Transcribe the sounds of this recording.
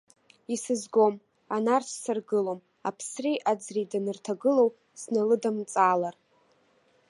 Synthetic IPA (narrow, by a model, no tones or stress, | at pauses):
isɨzɡʷo̞m | anart͡ʃʷʰsarɡɨlo̞m | a̰pʰsriʔad͡zridanɨrtʰaɡɨlow | snalɨdamt͡sʼaːlar